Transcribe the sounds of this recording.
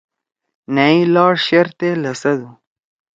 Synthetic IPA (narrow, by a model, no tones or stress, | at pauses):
nailɑːɽʃeɾt̪elasad̪u